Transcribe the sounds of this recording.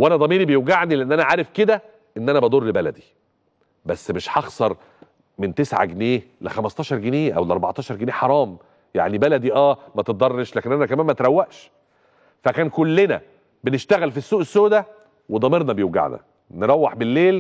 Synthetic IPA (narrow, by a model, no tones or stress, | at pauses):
wʔænæd̪ˤɑmiːɾibejoɡaʕnileʔenːʔænæʕaːɾefked̪æ | ʔenːʔænæbɑd̪uːɾlebælæ̰d̪i | bæsːmeʃħɑxsˤɑɾˤ | ment̪esʕa̰ɡeneː | lexæmɑst̪ˤɑːʃɑɾˤɡeneːʔæ̰wleʔɑɾˤbɑʕt̪ˤɑːʃɑɾˤɡeneːħɑɾˤɑːm | ja̰ʕnibælæd̪iʔæːmæt̪et̪̚d̪ˤɑrˤːeʃlæːkenʔænækæmæːmæt̪eɾæwːæʔʃ | fækæːnkolːenæ̰ | beneʃt̪æɣælfisːuːʔesːoːd̪æ | wed̪ˤɑmeɾnɑbejoɡa̰ʕnæ̰ | neɾˤɑwːeħbelːeːl